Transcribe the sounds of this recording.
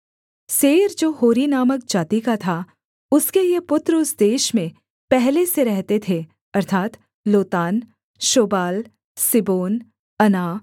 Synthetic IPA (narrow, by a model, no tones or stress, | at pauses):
seːɾd͡ʒoːɦoːɾinaːmək̚d͡ʒaːt̪ikat̪ʰa | ʊskeijepʊt̪ɾʊsd̪eːʃmẽ | pɛɦleseɾɛɦt̪et̪ʰe | ɐɾt̪ʰaːt̪ | loːt̪aːn | ʃoːbaːl | sɪboːn | ɐnaː